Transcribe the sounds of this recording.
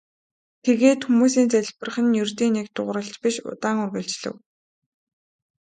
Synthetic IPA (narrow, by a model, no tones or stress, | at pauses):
t̪ʰeɣeːt̪xumuːsiːnt͡sæɮʲpə̆rχɘ̆njɵrt̪iːnekt̪ʊʁɾə̆ɬt͡ɕpiʃʊ̰t̪aːŋɵrɣɘ̆ɮt͡ɕɮɘ̰̆w